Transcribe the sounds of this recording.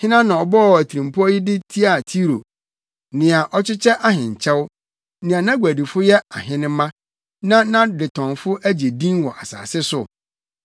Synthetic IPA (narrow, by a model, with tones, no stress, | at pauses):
hɪ̃˦nã˦nã˨ɔ˨bɔ˦˨æ˨tʰi˨ɾĩ˨m˨pʰʊ˦ɔ˦jɪ˦dɪ˦tʰi˦a˦˨tʰi˦ɾo˨ | nɪ̃˨a˨ʔɔ˦t͡ɕʰɪ˦t͡ɕʰɛ˦ʔa˦hɪ̃˨ɲ˨t͡ɕʰɛ˦w | nɪ̃˨a˨nã˦ɡʷæ˨di˨fʊ˦jɛ˦a˨ɦɪ̃˦nɪ̃˦mã˦ | nã˦nã˦dɪ˨tʰɔ̃˨nfʊ˦ʔæ˦d͡ʑe˨dĩ˦nwɔ˨ʔa˨sa̰ː˨sɪ˦sʊ̰˨